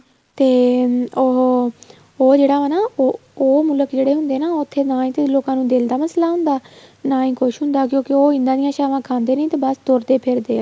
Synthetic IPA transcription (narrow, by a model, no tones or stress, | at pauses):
t̪eːoɦ | oːd͡ʒeːɽaːaːnaːooːmʊləkd͡ʒeːɽeːɦʊnd̪eːnaːot̪ʰːeːnãːĩːt̪eːloːkãːnũːd̪eːld̪aːməslaːɦʊ̃nd̪aːnãːĩːkʊʃɦʊ̃nd̪aːkjõːkɪoːɪ̃nd̪ãːd̪ɪjãːʃaːʋãːkʰãːnd̪eːnĩːt̪eːbəst̪oɾd̪eːpʰɪɾd̪eː